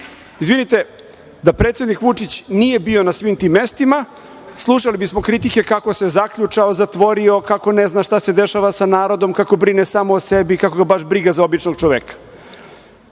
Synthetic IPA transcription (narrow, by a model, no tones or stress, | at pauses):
izʋinit̪e̞ | d̪apɾet̪sjed̪nikʋut͡ʂit͡ɕnije̞bio̞nasʋimt̪iːmːe̞st̪ima | slˠuʃalibismo̞kɾit̪ike̞kako̞se̞zakʎut͡ʃaozat̪ʋo̞ɾio̞kako̞neznaʃt̪ase̞d̪eʃaʋasanaːɾo̞d̪o̞mkako̞bɾinesaːmoːsebikakoɡabaʃbɾiɡazaobit͡ʃnoɡt͡ʃoʋekḁ